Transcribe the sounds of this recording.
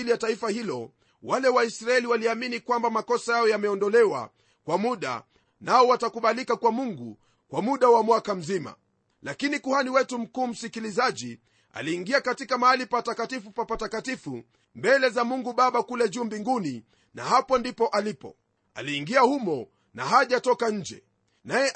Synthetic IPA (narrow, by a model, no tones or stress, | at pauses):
lijataifahilɔ | walɛwaisɾaɛliwaliaminikwambamakɔsajaɔjamɛɔndɔlɛwa̰ | kwamuɗa̰ | naɔwatakuɓalikakwamuŋɡu | kwamuɗawamwakam̩zima̰ | lakinikuhaniwɛtum̩kuːm̩sikilizaʄi | a̰liːŋɡiakatikamaalipatakatifupapatakatifu | mbɛlɛzamuŋɡuɓaɓakulɛʄuːmbiŋɡuni | nahapɔndipɔʔalipɔ̰ | a̰liːŋɡiahumɔ | na̰ɦaʄatɔkaɲ̩d͡ʒɛ̰ | najɛ